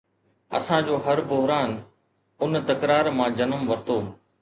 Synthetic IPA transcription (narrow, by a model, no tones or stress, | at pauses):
ɐ̰sãd͡ʑoːɦɐɾbʊɦɾaːn | ʊnt̪ɐkɾaːɾmãːd͡ʑɐnəmʋɐɾt̪oː